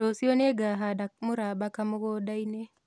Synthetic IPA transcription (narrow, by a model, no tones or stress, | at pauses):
osioneɡaɦadak̚mʊɾabakamʊɡodaine